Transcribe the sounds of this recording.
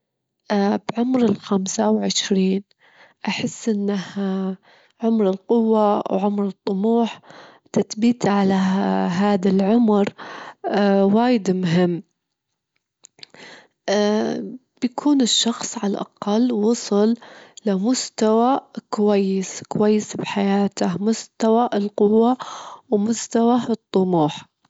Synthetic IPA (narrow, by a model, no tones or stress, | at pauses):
bʕʊmɾɪlxamsawʕɪʃɾiːn | ʔaħɪsːʔɪnːah | ʕʊmɾɪlqʊwːawʕʊmɾɨt̪ˤːʊmuːħ | t̪at̪biːt̪ʕalaɦaːðalʕʊmɾ | waːjɪd̪mʊɦɪmː | bjakʰuːnɪʃːɑxsˤʕalaʔa̰qɑlwɑsˤɨllamʊst̪awakʊwajːɪskʊwajːɪsbħajaːt̪ahmʊst̪awaʔlqʊwːawmʊst̪awat̪ˤːʊmuːħ